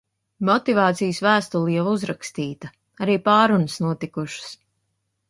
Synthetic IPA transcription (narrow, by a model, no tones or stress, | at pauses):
mɔt̪ivɑːt̪sijsvæːst̪ulˠijavuzɾakst̪iːt̪ɐ | aɾiːpaːɾunəsnuɔt̪ikuʃɨ̥s